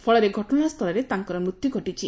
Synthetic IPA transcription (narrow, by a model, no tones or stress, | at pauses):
pʰɔɭɔɾeɡʱɔʈɔnast̪ʰɔlɔɾet̪aŋkɔɾɔmɾut̪juɡʱɔʈit͡ʃʰi